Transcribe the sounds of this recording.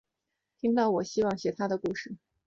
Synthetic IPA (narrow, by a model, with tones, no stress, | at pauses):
t̪ʰi˥ŋt̪ɑ˥˩ʊwɔ˨˩ɕi˥wɑ˥˩ŋɕjɛ˧˥t̪ʰa˥d̪ə˨ku˥˩ʂɻ̩˥˩